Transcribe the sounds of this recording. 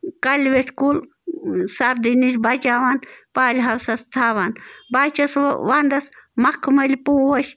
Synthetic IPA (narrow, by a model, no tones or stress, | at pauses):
kɐlʲʋet̪ʰkul | sɐɾd̪inisʲbɐt͡ʃaːʋanpaːlʲɦɐwsɐst̪ʰaːʋanbat͡ʃɐsʋand̪ɐsmɐkʰmɐlʲipuːwɐʃʲ